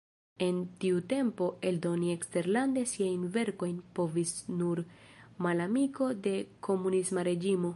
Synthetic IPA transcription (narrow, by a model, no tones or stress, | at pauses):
e̞ntiute̞mpo̞e̞ldo̞nie̞kste̞ɾlande̞siajnve̞ɾko̞jnpo̞visnuɾmalamiko̞de̞kʰo̞munismaɾe̞d͡ʒimo̞